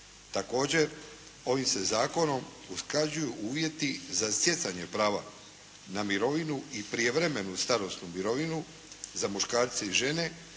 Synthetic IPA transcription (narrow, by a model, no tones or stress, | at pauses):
t̪ako̞ːd͡ʑe̞ɾ | o̞ʋimse̞zaːko̞no̞m | usklad͡ʑujuʔuːʋje̞t̪izasje̞t̪saɲe̞pɾaːʋa̰ | namiɾo̞ʋinuipɾie̞ʋɾe̞me̞nust̪aɾo̞snumiɾo̞ʋinu | zamuʃkaːɾt̪seiʒe̞ne̞